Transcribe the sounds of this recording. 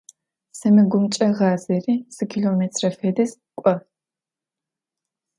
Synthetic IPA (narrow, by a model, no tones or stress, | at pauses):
sɐmɨɡʷʊmt͡ʃʼɐʁɑːzɐriːz̥ɨkʲʰiɮoːmetʰrɐfeːdɨs | kʷʼɔ